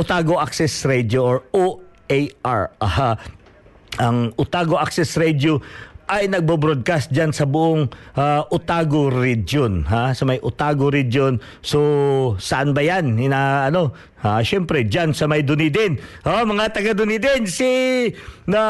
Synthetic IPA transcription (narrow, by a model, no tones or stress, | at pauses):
ʊt̪aɡoʔaksɛsɹɛd̪joʔoɹoʔejaɹɐha | ʔɐŋʔʊt̪aːɡo̞ʔak̚sɛsɾɛd̪oʔɐjnɐɡ̚bobɾod̪̚kast̪̚d͡ʒansɐbʊʔoŋʔaʔʊt̪aɡoɾidonɦasɐmɐjʔʊt̪aɡoɾid̪jon | sosɐʔanbɐjanhɪnaʔɐno̞ | aʃɛmpɾɛd͡ʒansɐmɐjd̪ʊnid̪ɪnʔomɐŋat̪ɐɡad̪ʊnid̪ɪnsi | nɐ